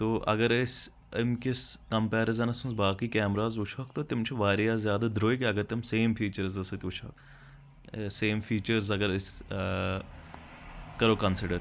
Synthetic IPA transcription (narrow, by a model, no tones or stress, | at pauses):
t̪oːʔɐ̰ɡəɾɪs | ɪmkiskɐmpɛːɾɪzɐnɐsʊnsbaːkiːkɛːmɾaːzʊt͡ʃʰokt̪ot̪ɪmt͡ʃʰuʋaːɾijaːzjaːd̪ad̪ɾoːikeɐɡɐɾt̪ɪmseːmfiːt͡ʃɐɾzɐsɐt̪ʲʊt͡ʃʰo̰ːk | seːmfʰiːt͡ʃəɾzɐɡəɾɪs | kɐɾoːkɐnsɪɖəɾ